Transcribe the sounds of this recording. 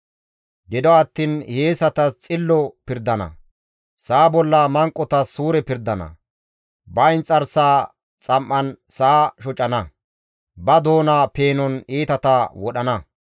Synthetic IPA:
ɡɪd̪ɔɐt̪ːiːnheːsɐt̪ɐt͡sʼɪlːɔpɪɾd̪ɐnɐ̰ | saːbɔlːɐmɐŋkʼːɔt̪ɐsuːɾɛpɪɾd̪ɐnɐ̰ | bɐɪnt͡sʼːɐɾsaː | t͡sʼɐmʔːɐnsaːʃɔt͡ʃʼɐnɐ | bɐd̪oːnaːpe̞ːnɔniːt̪ɐt̪ɐwɔɗɐnɐ

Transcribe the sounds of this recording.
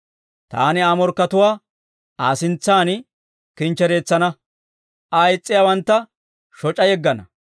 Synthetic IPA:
t̪a̰ːnɪaːmɔɾkːɐt̪ʊwaː | aːsɪnt͡sːaːn | kɪnt͡ʃːɛɾe̞ːt͡sːɐnɐ | ʔɐjt͡sʼːɪjawɐnt̪ːɐ | ʃɔt͡ʃʼɐjɛɡːɐnɐ

